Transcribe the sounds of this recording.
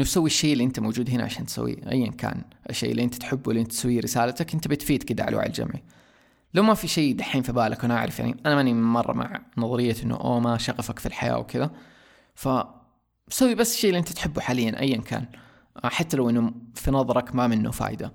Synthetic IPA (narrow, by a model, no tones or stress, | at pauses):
ʔɪnːusawːiʃːeːʔɪlːiʔɪnt̪amowd͡ʒuːd̪ɦɪna̰ʕaʃa̰ːnt̪sa̰wːḭʔa̰jːankʰa̰ːn | ʔʃːḛːʔɪlːiʔɪnt̪ḁt̪ħɪbːuɪlːiʔɪnt̪t̪sawːiɾɪsaːlat̪akʔɪnt̪abɪt̪fiːd̪kɪd̪aʕa̰lwa̰ʕl̰ld͡ʒa̰mʕi | lawmafiʃejːd̪aħiːnfibaːlʔakʔanʔa̰ʕɾˤɑfja̰ʕnḭʔanamanimɑrˤːɑ̰ma̰ʕnɑðˤɑɾɪjːaʔɪnːṵʔo̰ːmaʃaɣɑfakfilħaja̰ːwkɪða | fa | sawːibasːʃːeːliʔɪnt̪ḁt̪ħɪbːuħaːlɪjːanʔa̰jːankʰa̰ːn | ħat̪ːalawʔɪnːufinɑðˤɑɾˤɑkmamɪnːṵfa̰ːjd̪a